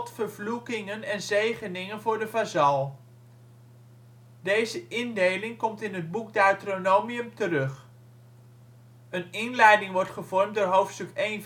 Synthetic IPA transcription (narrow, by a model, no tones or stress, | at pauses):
tfəɹvlukɪŋənɛnzejχənɪŋənvʊːɹdəvazɑlˠ | dejzəʔɪndejlɪŋkɔmtɪnɦəd̚buk̚datronowmiəmtərɵχ | ənɪnlɛjdɪŋʋɔɹtχəvɔɹmdʊːɹɦowftstɵkejn